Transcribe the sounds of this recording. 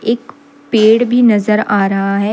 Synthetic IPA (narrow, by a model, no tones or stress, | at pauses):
eːk | peːɽbʱinɐzəɾaːɾɐɦaɦɛ